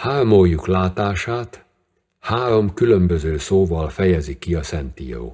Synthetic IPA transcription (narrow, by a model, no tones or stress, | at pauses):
haːrmojːuklaːt̪aːʃaːt̪ | haːɾo̞mkylø̞mbø̞zøːsoːvɒlfɛjɛzikiɒsɛnt̪ḭːo̰ː